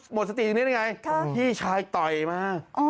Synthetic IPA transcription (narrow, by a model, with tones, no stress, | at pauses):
mo˨˩t̪̚sa˧t̪i˨˧nː˦˥˩ŋa˧jʰiː˥˩t͡ɕʰaː˧˥jt̪ɔ˨˩jmaː˧˥ʔ